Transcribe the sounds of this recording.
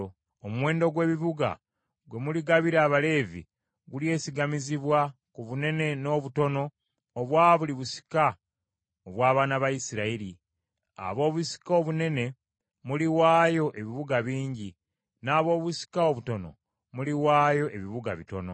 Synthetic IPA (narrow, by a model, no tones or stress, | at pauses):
omuwe̞ːndo̞ɡwe̞ːβiβuɡa̰ | ɡwe̞muliɡaβiɾaːβale̞ːvḭ | ɡulje̞ːsiɡamiziβwakuβune̞ne̞no̞ːβuto̞no̞ː | βwaːβuliβusi̥ka | oβwaːβaːnaβajisiɾaiɾi | a̰βo̞ːβusi̥koβune̞ne̞ | muliwaːjo̞ʔe̞βiβuɡaβiːɲɟi | naːβo̞ːβusi̥kaoβuto̞no̞̰ | muliwaːjo̞ʔe̞βiβuɡa̰βito̞no̞̰